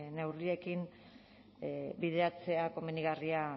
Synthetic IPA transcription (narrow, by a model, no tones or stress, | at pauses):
ne̞wrie̞kin | biðe̞at͡se̞ako̞meniɣaria